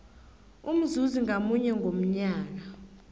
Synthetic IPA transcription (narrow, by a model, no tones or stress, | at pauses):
um̩zuziŋamuɲɛŋɡʱom̩ɲaːk̬a